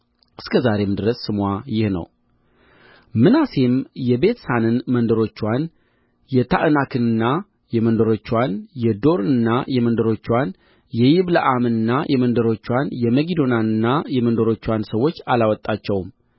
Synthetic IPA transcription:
ʔɨskʰəzaɾe̞md̪ɨɾəsːɨmwajɪhnə̰w | mɨnasemjɛbe̞t̪sanɨnmənd̪əɾo̞t͡ʃːwan | jɛt̪ʰaʔɨnakʰɨnɨnːa | jɛmənd̪əɾo̞t͡ʃːwanjɛd̪o̞ɾɨnːajɛmənd̪əɾo̞t͡ʃːwan | jɛjɪβləʔamɨnɨnːajʔɛmənd̪əɾo̞t͡ʃːwanjɛməɡid̪o̞nanɨnːajɛmənd̪əɾo̞t͡ʃːwansəwːo̞t͡ʃːalawɔt̪ʼːat͡ʃːɛwm

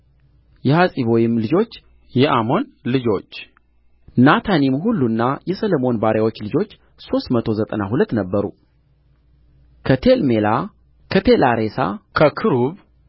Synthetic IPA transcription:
jɛhasʼiβo̞jɪmlɨd͡ʒo̞t͡ʃː | jɛʔamo̞nlɨd͡ʒo̞t͡ʃː | nat̪ʰanimhulːunːajɛsələmo̞nbaɾjawo̞t͡ʃːlɨd͡ʒo̞t͡ʃː | so̞st̪mət̪ʰo̞zət̪ʼənahulət̪ːnəbːəɾṵ | kʰət̪ʰelmela | kʰət̪ʰelaɾesa̰kʰəkʰɨɾuβ

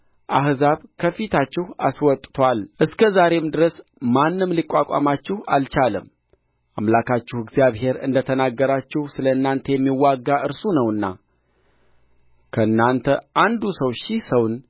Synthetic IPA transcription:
ʔahzaβkʰəfit̪ʰat͡ʃːɪha̰swɔt̪ʼt̪ʰwalʔɨskʰəzaɾe̞md̪ɨɾəsmanːɨmlikʼːakʷʼa̰mat͡ʃːɪha̰lt͡ʃaləm | ʔamlakʰat͡ʃːɪhɨɡzijaβɦe̞ɾɨ̰nd̪ət̪ʰənaɡːəɾat͡ʃːɪhsɨləɨnːant̪ʰəjɛmːiwːaɡːaʔɨɾsunəwɨnːa̰ | kʰəɨnːant̪ʰəʔand̪usəwʃisəwn

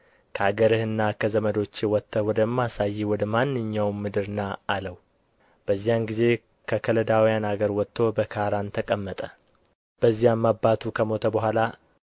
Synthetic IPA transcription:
kʰəaɡəɾɨhɨnːakʰəzəməd̪o̞t͡ʃːɪwɔt̪ʰːəwɔd̪əmːasajːiwɔd̪əmanːɨɲːawmɨd̪ɨɾnaaləw | b̥əzːijanɡize̞ | kʰəkʰələd̪awijanaɡəɾwɔt̪ʰːo̞bəkʰaɾant̪ʰəkʼəmːət̪ʼə | b̥əzːijamːabːat̪ʰukʰəmo̞t̪ʰəbəɦʷala

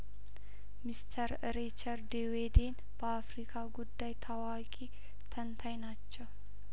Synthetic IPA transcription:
mɪst̪ʰɐɾ | ɾit͡ʃɐɾd̪ewed̪eːn | b̥ɐafɾikʰʼaːɡʊd̪ːajt̪ʰɐwaːkʼi | t̪ʰɐnt̪ʰɐjnat͡ʃːɐw

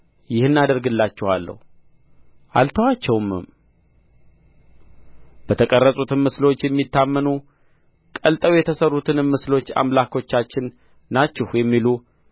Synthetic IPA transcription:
jɪhɨnːad̪əɾɡɨlːat͡ʃːɛhalːə̰h | ʔa̰lt̪ʰəwat͡ʃːɛwmɨ̰m | b̥ət̪ʰəkʼərːəsʼut̪ʰɨnmɨslo̞t͡ʃːjɛmːit̪ːamːənu | kʼəlt̪ʼəwjɛt̪ʰəsərːut̪ʰɨnɨmɨslo̞t͡ʃːa̰mlakʰo̞t͡ʃːat͡ʃːɪnː | at͡ʃːɛhjɛmːilu

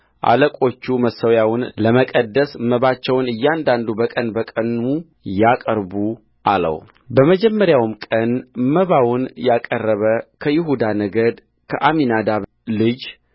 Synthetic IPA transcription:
ʔa̰ləkʼo̞t͡ʃːuməsəwjawʊnləməkʼəd̪ːəsməβat͡ʃːɛwnɨjːand̪and̪ubəkʼənbəkʼənu | jakʼəɾbu | ʔalə̰w | bəməd͡ʒɛmːəɾjawmkʼənməβawʊnjakʼərːəβəkʰəjɪɦud̪anəɡəd̪ | kʰəʔaminad̪aβ | lɨd͡ʒ

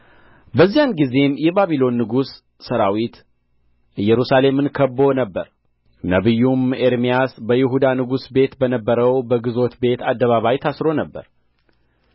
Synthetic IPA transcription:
bəzːijanɡize̞mjɛbaβilo̞nːɨɡusː | əɾawit̪ | ɨjːɛɾusale̞mːɨnkʰəbːo̞nəbːəɾ | nəβɨjːumeɾmijasbəjɪɦud̪anɨɡusbe̞t̪bənəbːəɾəwbəɡɨzo̞t̪be̞t̪ʰad̪ːəβaβajt̪ʰasɾo̞nəbːə̰ɾ

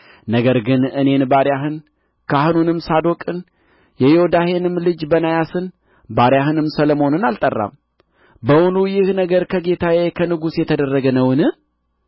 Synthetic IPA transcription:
nəɡəɾɡɨnɨne̞nbaɾjaɦɨn | kʰaɦɨnunɨmsad̪o̞kʼɨn | jɛjɛod̪ahe̞nɨmlɨd͡ʒbənajasɨn | baɾjaɦɨnɨmsələmo̞nɨnalt̪ʼərːa̰m | bəwunujɪhnəɡəɾkʰəɡe̞t̪ʰajekʰənɨɡusjɛt̪ʰəd̪ərːəɡənəwɨnɨ

